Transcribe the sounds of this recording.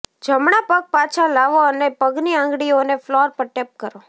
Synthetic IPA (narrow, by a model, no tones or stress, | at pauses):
d͡ʒəmɳapək̚pat͡ʃʰalaʋoənepəɡniãŋɡɽioneflɔɾpəɾʈep̚kəɾo